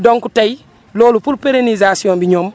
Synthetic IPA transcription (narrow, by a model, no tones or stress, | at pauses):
dɔŋkutaj | lɔːlufulpeɾenizasiɔ̃nbiɲɔːm